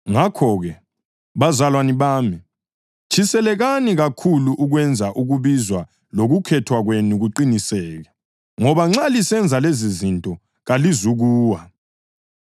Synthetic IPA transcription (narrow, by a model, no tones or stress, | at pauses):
ŋakʰɔːɣɛ | βazalwaniβaːmi | t͡ʃʰisɛlɛɣaniɣakʰuluʔuɣwɛnd͡zʱaʔuɣuβizwa | loɣukʰɛtʰwaɣwenuɣuǃinisɛːɣɛ | ŋɔβaŋ͡ǁalisɛnd͡zʱalezizintʼɔ | ɣalizuɣuːwa